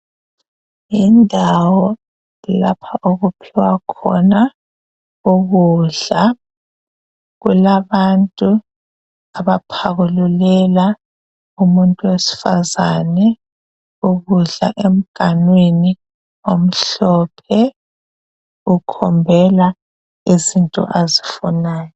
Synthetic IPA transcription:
indʱawɔ | lapʰaʔoɣupʰiwakʰɔ̰na | uɣuɮa | ɣulaβantʼu | aβapʰaɣululɛla | umuntʼuwesi̥fazanɛ | uɣuɮa̰ʔem̩ɡ̥ʱanweni | om̩ɬɔːpʰɛ | ukʰɔmbʱɛla | izintʼɔ̰ʔazifunaːjɔ

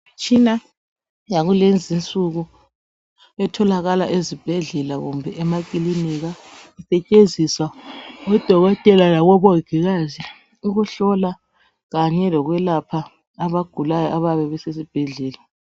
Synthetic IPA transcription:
t͡ʃʰʼina | jaɣulend͡zʱint͡sʼuɣu | ɛtʰɔlaɣalaʔezib̥ʱɛɮɛlaɣṵmbʱɛʔɛmakʼiliniɣaisɛt͡ʃʼenzʱiswaɔd̥ʱɔɣɔtʼɛlalaɣɔβoɡ̥ʱiɣazi | uɣuɬɔla | ɣaɲɛlɔɣwɛlapʰaː | βaɡ̥ʱulajɔʔaβaβɛβɛses̬ib̥ʱɛɮɛːla

